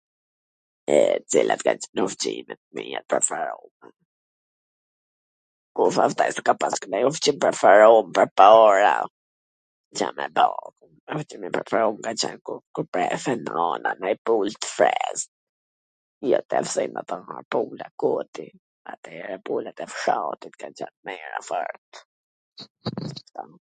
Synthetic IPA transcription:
ɛt͡silʔat̪ɡanuft͡ʃimɛt̪miɛt̪̚pɛfaɾuma | kufaft̪ajst̪ə̥kapaskənajɔft͡ʃimpɛfaɾɔmpəɾpɔɾa | t͡ʃamɛbɔkumɛft͡ʃimipɾɛfɛɾumkat͡ʃɛnkukuɾpɾɛfɛnɔnanajpult̪fɾɛz | jɔt̪ɛfsinat̪anapulakut̪i | at̪ɛɾɛpulat̪ɛfʃat̪it̪kant͡ʃɛnmɛɾa̰fəɾt̪ | ḁft̪a

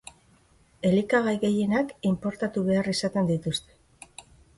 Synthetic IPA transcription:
e̞likaɣajɣe̞je̞nakimpo̞ɾt̪at̪uβe̞arisat̪e̞nd̪it̪ust̪e̞̥

